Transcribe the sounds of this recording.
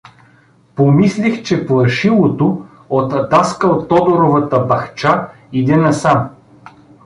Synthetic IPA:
pomislixt͡ʃɛplˠɐʃilˠot̪o | ot̪d̪askəot̪ːɔd̪oɾovət̪əbɐxt͡ʃa | id̪ɛnɐsam

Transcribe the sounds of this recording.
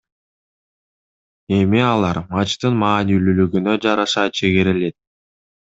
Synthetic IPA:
e̞miɑlˠɑɾmɑt͡ʃt̪ɯnmɑːnilylyɡynø̞d͡ʒɑɾɑʃɑt͡ʃʰe̞ɡiɾile̞t̪̚

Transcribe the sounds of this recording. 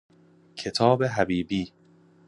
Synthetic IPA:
kcʰe̞t̪ʰɒːbe̞ɦæbiːbiː

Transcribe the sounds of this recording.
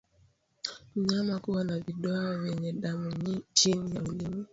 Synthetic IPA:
m̩ɲamakuwanavidɔɔwɛɲɛdamuɲt͡ʃinijaulimi

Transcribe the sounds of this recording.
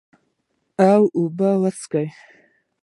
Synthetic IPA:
awʔubalat͡sʰkaj

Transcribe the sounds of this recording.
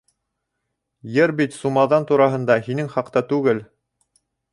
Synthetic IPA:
jɘɾbit̪sumɑðɑnt̪uɾɑɦɤ̆nd̪ɑhinɘŋχɑqt̪ɑt̪ʉɡɘl

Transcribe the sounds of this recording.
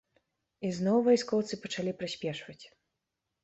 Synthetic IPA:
iznɔwvɔjskɔwt̪sɨpɐt͡ʂalʲipɾɨsʲpʲɛʂvɐt͡sʲ

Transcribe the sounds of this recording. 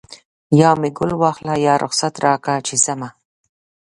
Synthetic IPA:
jɑːmɪɡʊlwɑxlajɑːɾʔʊ̰xsat̪ɾɑːkat͡ʃɪsama

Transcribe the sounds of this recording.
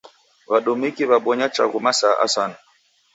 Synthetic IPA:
βaɗumikiβaɓɔɲat͡ʃa̰ɣumasaʔa̰sana

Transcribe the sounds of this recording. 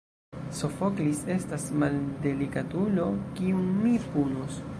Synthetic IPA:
so̞foklise̞stasmalde̞likatulo̞kiunmipunos

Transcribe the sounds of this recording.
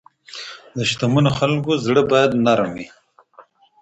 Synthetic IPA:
d̪əʃt̪amunoxalkozɽəbɑjad̪naɾami

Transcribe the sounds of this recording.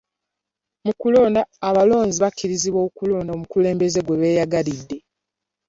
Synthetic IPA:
mukulo̞ːndaːβalo̞ːnziβakːiɾiziβwo̞ːkulo̞ːndaomukule̞ːmbe̞ze̞ɡwe̞βe̞ːjaɡalidːe̞

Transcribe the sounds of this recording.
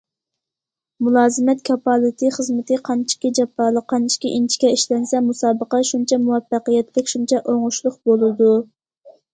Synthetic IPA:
mulˠɑːzɨmɛt̪̚kʲʰɑpɑlˠɨt̪ʰɨχəzmɨt̪ʰɨqʰɑnt͡ʃʰi̥kʲid͡ʒɛpːɑːlˠəqʰːɑnt͡ʃʰi̥kʲiʔint͡ʃʰi̥kʲɛiʃlɛnsɛmusɑːbəqɑʃunt͡ʃʰɛmuwɛfːæqijɛt̪lɛkʲʃunt͡ʃʰɛʔoŋʊʃlˠʊqbolˠɨd̪u

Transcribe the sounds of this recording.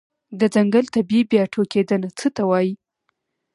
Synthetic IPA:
d̪əd͡zaŋɡəlt̪abibjɑʈʰoked̪ənat͡sət̪awɑji

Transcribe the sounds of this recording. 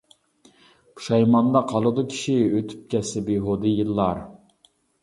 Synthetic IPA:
pʰu̥ʃɑjmɑnd̪ɑqʰɑlˠɨd̪ukʲʰi̥ʃiøt̪ʰy̥p̚kʲʰɛsɪbiɦod̪ɨjilˠːɑɾ

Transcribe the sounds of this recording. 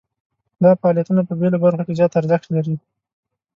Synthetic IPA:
d̪ɑfɑɑljat̪unapəbelabaɾxakezjɑt̪aɾzaxt̪laɾi

